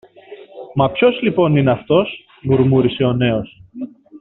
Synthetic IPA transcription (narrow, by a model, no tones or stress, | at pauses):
mɐpço̞zlipo̞nineɐft̪o̞s | muɾmuɾise̞o̞ne̞o̞s